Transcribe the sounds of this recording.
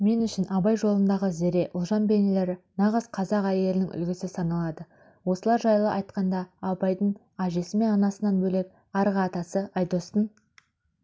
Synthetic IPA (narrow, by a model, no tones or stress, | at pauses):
me̞nʏʃɪnʔɑbɑjʒo̞lˠənd̪ɑʁəzeɾe̞ʔʊlˠʒɑnbe̞nele̞ɾɪnɑʁəzqʰɑzɑqæjelɪnɪŋʔʏ̰lɡʲɪsɪsɑnɑlˠɑd̪ə | wo̞səlˠɑɾʒɑjlˠəʔɑjt̪qɑnd̪ɑːbɑjd̪əɴ | ɑʒe̞sɪme̞nɑnɑsənɑnbɵle̞k̚ | ɑɾʁɑːt̪ɑsəɑjd̪ost̪ən